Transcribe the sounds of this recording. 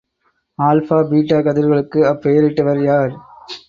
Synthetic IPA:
aːlfaːbiːʈːaːkɐðɪɾɣɐɭɯkːɯɐpːejɐɾɪʈːɯʋɐɾjaːɾ

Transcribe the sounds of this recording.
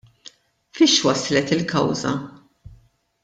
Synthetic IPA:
fiʃwɐslɛt̪ɪlkɐ̰wzɐ̰

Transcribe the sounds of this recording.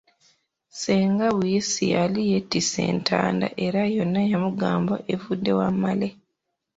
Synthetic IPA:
seːŋɡaβujesḭjalije̞tːise̞̰ːntʰa̰ːnda̰ʔe̞ɾajo̞nːajamuɡaːmboʔevudːe̞wamːale

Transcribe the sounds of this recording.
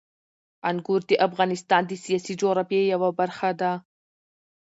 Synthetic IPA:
anɡuɾd̪iʔafɣɑnɪst̪ɑnd̪isijasid͡ʒoɾabejawabaɾxad̪a

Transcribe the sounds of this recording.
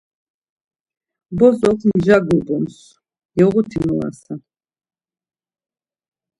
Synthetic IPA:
bɔzɔχmʒaɡubɔns | jɛʁut̪ʰimua̰sa

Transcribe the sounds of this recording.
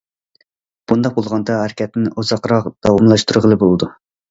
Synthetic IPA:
b̥und̪ɑq̚bolˠʁɑnd̪ɑɦæɾkʲɛt̪nɪʔozɑqɾɑqd̪̥ɑwɑmlˠɑʃt̪uɾʁəlˠɨbolˠɨd̪u

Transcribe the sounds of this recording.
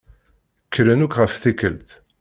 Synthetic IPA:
kʰːəɾənukʁəfθikːəlt̪

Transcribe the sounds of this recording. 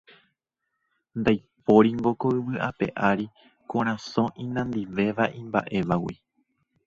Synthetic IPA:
nd̪ajp̚o̞ɾiŋɡo̞koɨʋɨʔape̞̰ʔaɾi | kõɾ̃ãsõ̞ʔĩnãnd̪iʋe̞ʋaʔĩmba̰ʔe̞ʋawḭ

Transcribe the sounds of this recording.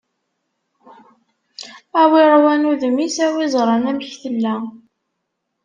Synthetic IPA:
æwiɾˤwænuðəmisæwizˤɾˤɑnæməçθəlːæ

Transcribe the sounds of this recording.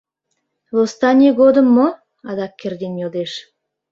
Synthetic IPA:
lˠost̪ɑnʲeɡod̪ə̆mːo | ɑd̪ɑkʲːerd̪ʲenjold̪eʃ

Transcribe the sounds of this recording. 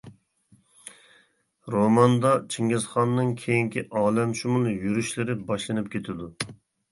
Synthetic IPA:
ɾomɑnd̪ɑt͡ʃʰiŋɪzχɑnːɨŋkʲʰejiŋkʲiʔɑːlɛmʃumunˠɨjyɾyʃlɪɾɪbɑʃlˠɨnɨp̚kʲʰet̪ʰɪd̪u

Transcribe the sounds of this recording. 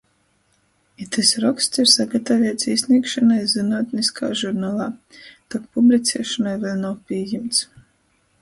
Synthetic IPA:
it̪ɛsɾɔkst̪siɾsaɡat̪avʲɛt̪sisʲnʲiɛːkʃanajzɨnuɔːt̪niska̰ːʒuɾnaːlˠaːt̪akpublʲit̪sʲɛɛʃanajvɛlʲnawpʲiɛjimt̪s

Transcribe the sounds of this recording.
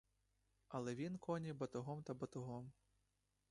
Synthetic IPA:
ɐlˠɛʋʲinkɔnʲibɐt̪ʊɦɔmt̪ɐbɐt̪ʊɦɔm

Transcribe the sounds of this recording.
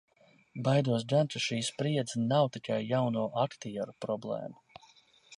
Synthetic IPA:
bajd̪uɔs̬ɡ̪ant̪uʃiːspɾiɛd̪znawt̪ikʰajːawnuːʔakt̪iɛɾupɾɔblˠɛ̰ːmu

